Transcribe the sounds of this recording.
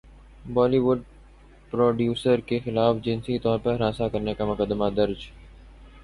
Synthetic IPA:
bɔːliʋʊɖ̚ | pɾoːɖjuːsəɾkexɪlaːfd͡ʒɪnsit̪ɔːɾpəɾɾãːsakɐɾnekamʊkəd̪ːmad̪ɐɾd͡ʒ

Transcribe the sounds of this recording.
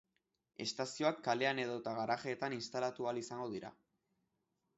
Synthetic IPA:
e̞̰st̪asio̞akːale̞ane̞ð̞o̞t̪aɣaɾaʝe̞ːt̪aninst̪alat̪ualisaŋɡo̞ðiɾa̰

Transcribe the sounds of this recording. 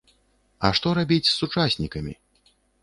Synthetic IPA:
ɐ̰ʂt̪ɔɾabʲit͡sʲsːut͡ʂasʲnʲikɐmʲḭ

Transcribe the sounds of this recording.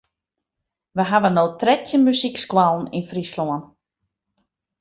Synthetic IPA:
ʋəɦaʋənoːtrɛtʰjənmysikskwalˠn̩infrisloən

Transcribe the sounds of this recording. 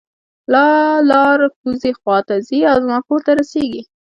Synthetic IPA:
lɑlɑɾxuzexwɑt̪aziawzmakot̪aɾaseɡi

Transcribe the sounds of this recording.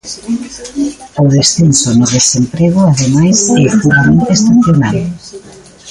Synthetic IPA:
ʊðesθensonʊðesempɾeɣʊaðemajsɛpuɾamẽnt̪eest̪aθjonal

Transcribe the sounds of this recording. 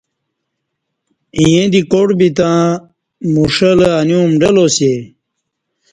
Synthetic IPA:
ĩjẽd̪ikoʈbit̪ã | muʂələanjũmɖɐlose

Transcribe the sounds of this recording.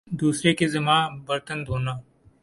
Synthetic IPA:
d̪uːsɾeːkeːzəmãːbəɾt̪ənd̪ʱoːnaː

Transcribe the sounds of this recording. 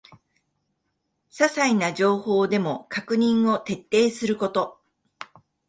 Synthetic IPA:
sasainaʑo̞ːho̞ːd̪e̞mo̞kakɯ̟ɲ̟ĩɰ̃o̞t̪e̞t̪ːe̞ːsɨɾɯ̟ko̞t̪o̞

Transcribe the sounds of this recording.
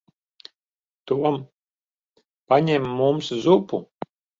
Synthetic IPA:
t̪uɔm | paɲɛmːumszupu

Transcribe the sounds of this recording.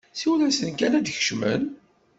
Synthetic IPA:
siwlæsənkænæd̪çə̥ʃmə̰n

